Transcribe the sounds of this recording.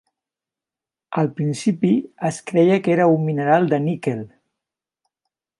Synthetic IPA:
əlˠpɾinsipiəskɾɛjəkeɾəumːinəɾalˠd̪ənikel

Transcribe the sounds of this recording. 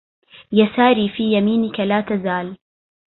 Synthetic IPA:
jasaːɾiːfiːjamiːnɪkalaːt̪azaːl

